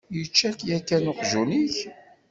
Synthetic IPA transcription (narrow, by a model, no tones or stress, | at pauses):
jət͡ʃːækjækːænʊqʒuniç